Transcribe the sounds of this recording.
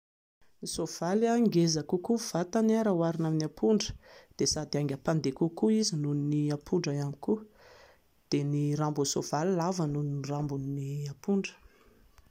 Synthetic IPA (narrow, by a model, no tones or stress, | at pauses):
nisov̥alaŋɡezakukuv̥at̪anaɾawaɾinaminapʰuɳɖ͡ʐə̥d̪̥esad̪iaŋɡʲəpand̪ekukuizinuniniapʰuɳɖ͡ʐaamiku | d̪̥eniɾambunsov̥alilavanuninrambunniapuɳɖ͡ʐə̥